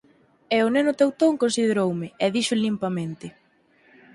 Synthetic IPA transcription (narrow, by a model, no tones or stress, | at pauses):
ɛʊnenʊt̪ewt̪oŋkonsið̞eɾowmɪɛðiʃʊlimpamẽnt̪ɪ